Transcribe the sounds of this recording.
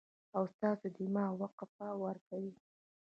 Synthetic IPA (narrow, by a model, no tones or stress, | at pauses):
awst̪ɑsod̪imɑwaqafawaɾkawi